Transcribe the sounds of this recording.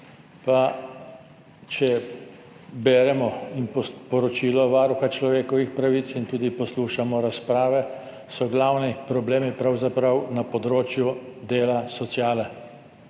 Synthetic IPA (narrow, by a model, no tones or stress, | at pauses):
pa | t͡ʃɛ | bɛːɾɛmɔinpɔpɔɾɔt͡ʃiːlɔʋaːɾuxat͡ʃlɔʋeːkɔʋixpɾaʋit̪sint̪uːd̪ipɔsluːʃamɔɾaspɾaːʋɛ | sɔɡlaːwnipɾɔbleːmipɾawzapɾawnapɔd̪ɾoːt͡ʃjud̪eːlasɔt̪sjaːlɛ